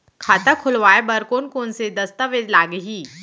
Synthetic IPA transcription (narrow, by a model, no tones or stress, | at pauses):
kʰaːt̪akʰʊlʋaːebɐɾkoːnkoːnsed̪ɐst̪əʋed͡ʒ̪laːɡɦiː